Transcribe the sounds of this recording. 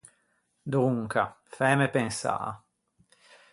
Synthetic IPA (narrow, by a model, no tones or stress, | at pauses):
d̪uŋka | fɛːmepensa̰ː